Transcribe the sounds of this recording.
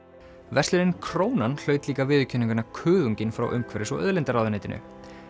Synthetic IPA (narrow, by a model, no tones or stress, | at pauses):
vɛst̪lɪɾɪnkʰɾoːwnanl̥œːɥt̪liːkavɪːðʏcʰʏnːiŋkʏnakʰœːðuɲcɪnfɾa̰wʔœ̰mkʰvɛɾɪsɔ̰œ̰ðlɛnt̪aɾawðaneːjt̪ɪnʔʏ̰